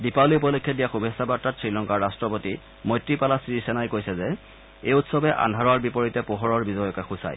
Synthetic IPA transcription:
dipawliupɔlokʰːjɔdijaxubʱisabatːatsɹilɔŋkaɹɹastɹɔpoti | mojtːɹipalasiisɛnajkojsɛzɛ | ejutsɔbɛʔa̰ndʱaɹɔaɹbipɔɹitɛpoɦɔɹɔɹbizɔjɔkaxusa̰j

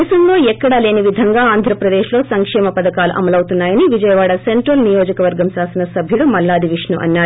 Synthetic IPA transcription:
ɐsɐmlo̞ːɛkːɐɽɐle̞ːniʋid̪ʱɐŋɡaːaːnd̪ʱɾɐpɾɐd̪eːʃlo̞ːsɐŋkʂɛːmɐpɐd̪ɐkaːlṵʔɐ̰mɐlɐwt̪unːaːjɐniʋid͡ʒɐjɐʋaːɽɐseɳʈɾɐlnijo̞ːd͡ʒɐkɐʋɐɾɡɐmsaːsɐnɐsɐbʱjuɽumɐlːaːd̪ʱiʋiʂnṵʔɐ̰nːaː

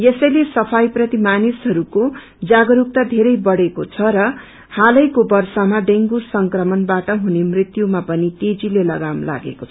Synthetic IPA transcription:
jesʌjlesʌpʰajprʌt̪imanisɦʌɾuko | d͡zaɡʌɾuk̚t̪ad̪ʱeɾʌjbʌɽekot͡sʰʌɾʌ | halʌjkobʌrsamaɖeŋɡusʌŋkrʌmʌnbaʈʌɦunemrit̪jumapʌnit̪ed͡zilelʌɡamla̰ɡḛkot͡sʰʌ̥

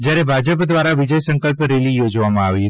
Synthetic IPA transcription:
d͡ʒjaɾebʱad͡ʒəpd̪ʋaɾaʋɪd͡ʒəjsə̃ŋkəlpɾelijod͡ʒʋamãaʋi

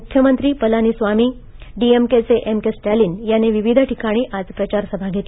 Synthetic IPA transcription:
ukʰjəmənt̪ɾiːpəlaniːsʋamiː | ɖiemket͡seʔemkesʈaliːnjaneʋiʋid̪ʱʈikaɽ̃iːʔad͡zpɾət͡ɕaɾsəbʱaɡʱet̪e

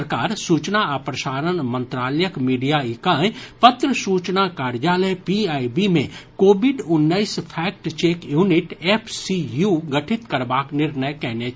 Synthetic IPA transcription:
əɾkaːɾsuːt͡ʃnaapɾɐʃaːɾənmə̃nt̪ɾaːləjəkmiːɖijaɪkaːpət̪ɾəsuːt͡ʃnakaːɾd͡ʒaːləjpiaːibimẽkoːbɪɖʊnːəɪspʰɛːk̚ʈt͡ʃeːkjuːnɪʈeːpʰsijuɡəʈʰɪt̪kəɾbaːknɪɾnəjkɛɦne

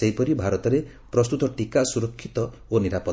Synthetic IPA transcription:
seɦjpɔɾibʱaɾɔt̪ɔɾe | pɾɔst̪ut̪ɔʈikasuɾɔkʰːit̪ɔ | oniɾapɔ

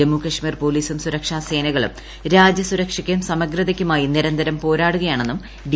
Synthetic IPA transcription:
emukɐʂmiːrpo̞ːliːsumsuɾɐkʂaːse̞ːnɐɣɐɭṵm | ɾaːd͡ʑjɐsuɾɐkʂikʲːɐumsɐmɐɡɾɐðɐkʲːumaːjiniɾɐnd̪ɐɾɐmpo̞ːɾaːɽuɣɐjaːɳe̞nːum | ɖi

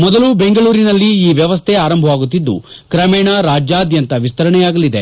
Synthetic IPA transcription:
mɔd̪ɐlube̞ŋɡɐɭuːɾinɐlːiːʋjɐʋɐs̬t̪ʰeaːɾɐmbʱɐʋaːɡut̪ːid̪ːṵkɾɐmɛːɳɐɾaːd͡ʒjaːɐd̪jɐnt̪ɐʋist̪ɐɾɐɳɛjaːɡɐlid̪e̞̰

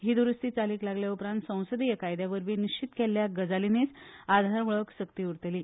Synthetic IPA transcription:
ɦiːd̪uɾəst̪iːt͡saliːklaɡljaupɾãnt̪sə̃w̃səd̪ijəkajd̪jaʋəɾʋiːniɕt͡ɕit̪kelːjaɡəd͡zalinet͡sad̪ʱaɾʋəɭəksəkt̪iːuɾt̪eliː

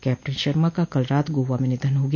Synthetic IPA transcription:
kɛːp̚ʈənʃəɾmakakɐlɾaːt̪ɡoʋamẽnɪd̪ʱənɦoːɡi

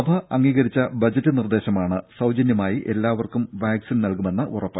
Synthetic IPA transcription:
ɐbʱɐɐŋːiːɣɐɾit͡ɕːɐbɐd͡ʑɐtːɨnird̪e̞ːɕɐmaːɳɨsɐwd͡ʑɐnjɐmaːjiʔe̞lːaːʋɐrkumʋaːksinnɐlkume̞nːɐʔurɐpːɨ

